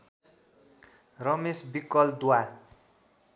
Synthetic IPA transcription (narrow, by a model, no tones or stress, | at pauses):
rʌmesbikːʌld̪uwa